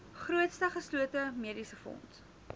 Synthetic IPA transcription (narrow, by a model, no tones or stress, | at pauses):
χruətstəχəsluətəmiədisəfɔ̰nt